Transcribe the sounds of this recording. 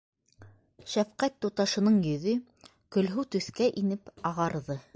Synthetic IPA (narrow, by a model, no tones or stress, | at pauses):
ʃæfqæt̪ːut̪ɑʃɤ̆nɤɴjɵ̆ðɵ | kɵ̆lɦʉt̪ɵ̆θkæʔinɘpɑʁɑɾðɤ